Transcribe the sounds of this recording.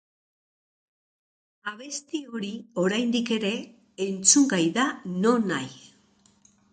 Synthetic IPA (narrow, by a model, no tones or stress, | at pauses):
aβ̞e̞st̪io̞ɾio̞ɾajnd̪ike̞ɾe̞ː | nt͡suŋɡajðano̞naj